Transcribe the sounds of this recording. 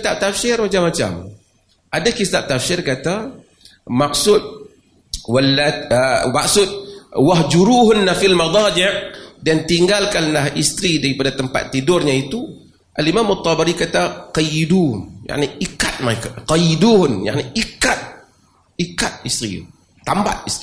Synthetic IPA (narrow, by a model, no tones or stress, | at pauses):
kit̪ap̚t̪afsɪrmat͡ʃamːat͡ʃa̰m | ʔadakit̪ap̚t̪afsɪrkat̪a | maksʊt̪̚ | walːaəmaksʊt̪̚waɦd͡ʒuɾuːɦʊnːafilmɑd̪ˤɑːd͡ʒɪʔdant̪iŋɡalkanlahʔist̪ɾidaɾipadat̪əmpa̰t̪ːidʊrɲait̪u | ʔalimamat̪ˤːɑbaɾikat̪aqɑjiduja̰ʕniikat̪̚maekaqɑjiduɦnja̰ʕniʔikat̪̚ | ikat̪̚ist̪ɾḭ | t̪amba̰t̪̚ist̪i